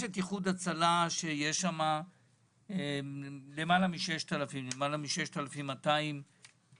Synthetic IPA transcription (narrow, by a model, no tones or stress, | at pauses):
jeʃet̪jiχud̪at͡salaʃe̞jeʃama | lemalamiʃe̞ʃt̪alafimlemalamiʃeʃt̪alafimataim